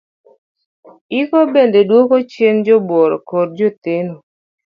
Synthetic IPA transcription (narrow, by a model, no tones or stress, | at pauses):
ɪkɔbendedwokot͡ʃend͡ʒɔbwɔɾɔkoɾd͡ʒot̪ɪno